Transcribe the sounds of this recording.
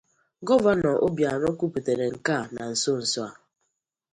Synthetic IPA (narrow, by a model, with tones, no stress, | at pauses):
ɡɔ˦va˦nɔ˨ʔo˦bja˨ɾɔ˦ku˦pi˨te˨ɾe˨ŋ̩˨ka˦˨na˨n̩˨so˦˨n̩˨sɔ˦a˨